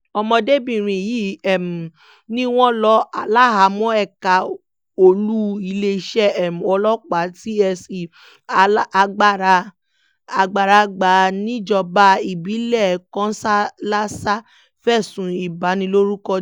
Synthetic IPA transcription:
ɔ˧mɔ̃˧de˦˨bĩ˨ɾ̃ĩ˨ji˨˦ɛ˨m̩˨ | nĩ˦w̃ɔ̃˦lɔ˦a˨la˦˨ɦa˨˦mɔ̃˦ɛ˦˨ka˨ | o˧˨lu˦i˧le˧˨ʃɛ˦ɛ˨m˨ɔ˧lɔ˦k͡pa˨˦ti˦ɛ˧si˨˦˧ | ɡ͡ba˦˨ɾa˧ | a˧ɡ͡ba˨ɾa˧ɡ͡ba˨˦nĩ˦d͡ʒɔ˧ba˧˦i˨bi˨˦lɛ˦˨kɔ̃˨˦sa˦la˦sa˦ | fɛ˦˨sũ˨˦i˨ba˨˦nĩ˧lo˦ɾu˦kɔ˧

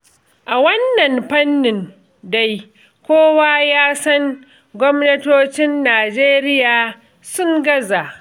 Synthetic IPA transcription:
ʔa˨wɐ˦nːɐ˨mɸɐ˦nːɪ˨n | da˦j | kʷoː˦waː˦jaː˦sɐ˦ŋ | ɡʷɔ˦mnɐ˦toː˦t͡ʃɪ˦nːaː˨d͡ʒeː˦ɾɪ˦jaː˨ | sʊ˦ŋɡɐ˦za˨ʔ

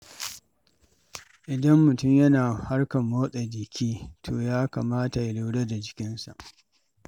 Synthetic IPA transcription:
ʔɪ˨dɐ˦mːʊ˨tʊ˦mjɐ˦naː˨ha˦rkɐ˨mːoː˦sʼa˨dɪ˨kʲʰiː˦tʰoː˨jaː˦kaː˨maː˦ta˨ja˨lu˦wɽe˦da˨d͡ʒɪ˨kʲɪ˦nsa̰˨ʔ

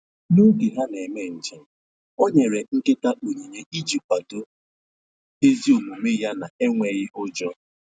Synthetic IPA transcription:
nu˦ɡe˨ɦa˦ne˨me˦n̩˨t͡ʃe˨˦ | o˦ɲe˨ɾe˨ŋ̩˦ke˦ta˦ʔo˨ɲi˨ɲe˦i˦d͡ʒi˦ppa˨do˦ | e˦zi˦o˨mu˨me˦ja˦na˨e˦ŋʷe˨ɣɪ˦ɦʊ˦d͡ʒɔ˦

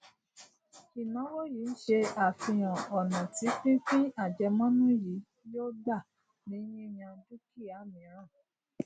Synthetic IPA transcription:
i˨nã˨˦wo˦ji˨˦n̩˦ʃe˧a˨fĩ˧j̃ã˨ɔ˨nã˨ti˨˦k͡pĩ˦kĩ˦a˦˨d͡ʒɛ˧mɔ̃˦nũ˦ji˨˦ | jo˦da˦˨ | nĩ˨˦jĩ˦j̃ã˧du˦ki˦˨a˨˦mĩ˨ã˨˦˨

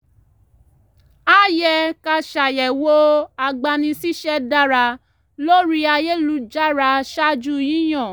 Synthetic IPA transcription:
a˦jɛ˧ka˧ʃa˨jɛ˨wo˦a˧ɡ͡ba˧nĩ˧si˦ʃɛ˦da˦ɾa˧ | lo˦ɾi˦a˧je˦lu˧˦d͡ʒa˦ɾa˧ʃa˦d͡ʒu˦jĩ˨˦j̃ɔ̃˦˨

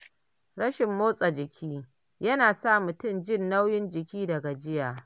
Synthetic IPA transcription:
ɽɐ˦ʃɪ˨mːoː˦sʼa˨d͡ʒɪ˨kʲʰiː˦ | jɐ˦naː˨sa˦˨mʊ˨tʊ˦˨md͡ʒɪ˦˨nːa˦wjɪ˦nd͡ʒɪ˨kʲiː˦dɐ˨ɡa˨d͡ʒɪ˦jaː˨

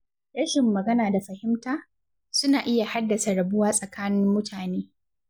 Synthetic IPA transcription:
ɾɐ˦ʃɪ˨mːɐ˨ɡɐ˦naː˨da˨ɸɐ˨hɪ˦mtaː˦ | sʊ˦naː˨ʔɪ˦ja˨ha˦dːɐ˨sa˨ɾɐ˨bʊ˦waː˦sʼɐ˨kaː˦nɪ˦mːʊ˦tʰaː˨neː˦

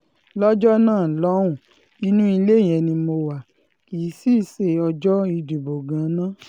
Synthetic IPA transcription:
lɔ˦d͡ʒɔ˦nãː˦˨lɔ̃˨˦ũ˦˨ | i˧˦nũ˦i˧le˦˨j̃ɛ̃˧nĩ˧mo˧wa˨ | i˨˦si˦se˧˨ɔ˧d͡ʒɔ˦i˧du˨bo˨ɡã˨˦nã˦

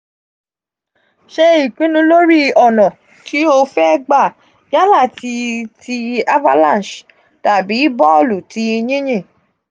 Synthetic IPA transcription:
ʃe˧i˨k͡pĩ˨˦nũ˧˦lo˦ɾi˦ɔ˦˨nɔ̃˨ | ti˨˦o˧fɛ˦ɡ͡ba˦˨ | ja˦la˦˨ti˧tʰi˧a˦va˦lã˦˨n˨ʃ | ta˨bi˨˦bɔ˦o˦˨lu˨ti˧ɲĩ˦j̃ẽ˦˨

